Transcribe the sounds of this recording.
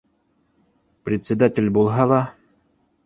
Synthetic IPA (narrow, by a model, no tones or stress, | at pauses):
pɾʲɪt̪ʲsʲɪd̪atʲɪlʲbulˠɦɑlˠɑ